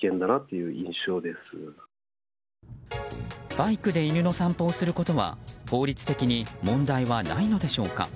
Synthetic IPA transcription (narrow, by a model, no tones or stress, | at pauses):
kẽ̞nd̪anat̪ːe̞jɯ̟ːʔĩɰ̃ɕo̞ːd̪e̞sɨ | b̥aikɯ̟d̪e̞iɾʲɯ̟no̞sãmpo̞ːsɨɾɯ̟ko̞t̪o̞βa̰ho̞ːɾʲit͡sɨ̥t̪e̞kʲiɲ̟imõ̞nd̪aiβana̰ino̞d̪e̞ɕo̞ːka̰